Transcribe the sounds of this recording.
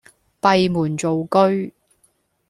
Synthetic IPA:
pɐ˨jmuː˨˩nt͡so˨wkɵ˥ɥ

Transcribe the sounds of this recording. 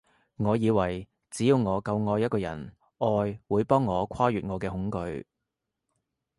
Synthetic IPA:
ŋɔː˨˧jiː˨˧wɐ˨˩j | t͡siː˨˥jiː˧wŋɔː˨˧kɐ˧wŋɔː˧jɐ˥t̚kɔː˧jɐ̰˨˩n | ʔɔː˧jwuː˨˧jpɔː˥ŋːɔː˨˧kʰaː˥jyː˨t̚ŋɔː˨˧kɛː˧ɦʊ˨˥ŋkɵ˧ɥ

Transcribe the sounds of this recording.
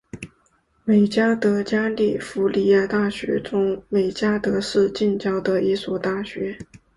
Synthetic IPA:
me˨˩ɪt͡ɕja˥t̪ɤ˧˥t͡ɕja˥li˥˩fu˧˥li˨˩ja˥˧˩t̪a˥˩ɕɥɛ̰˧˥t͡sʊ˥ŋme˨˩ɪt͡ɕja˥t̪ɤ˧˥ʂɻ̩˥˧t͡ɕi˥˩nt͡ɕjɑ˥ʊd̪ə˧i˥swɔ˨˩t̪a˥˩ɕɥɛ˧˥

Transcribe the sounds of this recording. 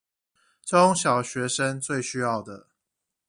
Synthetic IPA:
ʈ͡ʂʊ˦ŋɕjɑ˨˩ʊɕɥɛ˨˦ʂə˦nt͡swe˥˨ɪɕy˦˥jɑ˥˨ʊd̪ə˨˩

